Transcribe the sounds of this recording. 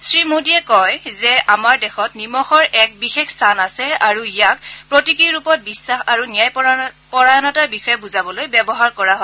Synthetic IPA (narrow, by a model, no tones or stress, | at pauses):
sɹimodiɛkɔjzɛʔamaɹdɛxɔtnimɔxɔɹɛk̚bixexstʰanasɛaɹuijak̚pɹotikiɹupɔt̚bisːaxaɹunijajpɔɹajɔnataɹbixɔjɛbuzabɔlojbɛbɔɦaɹkɔɹaɦɔ